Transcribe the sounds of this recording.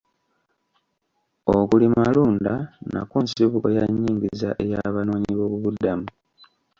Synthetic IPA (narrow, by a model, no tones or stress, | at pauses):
o̞kulimaluːndana̰kuːnsiβukojaɲːiːŋɡizaʔe̞jaβano̞ːɲiβo̞ːβuβudamu